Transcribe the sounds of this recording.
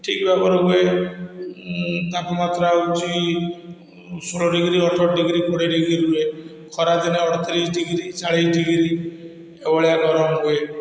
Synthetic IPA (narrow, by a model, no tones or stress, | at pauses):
ʈʰikbʱapɔɾɔɡɔe | t̪apɔmat̪ɾaut͡ʃʰi | suɭɔɖiɡɾiɔɾt̪ʰɔɾɖiɡɾikoɽiɖiɡɾiɾuue | kʰɔɾad͡ʒeneɔɽt̪ʰɔɾiʈiɡɾit͡ʃaɭeɖiɡɾi | ebɔɭijaɡɔɾɔnɔɡɔe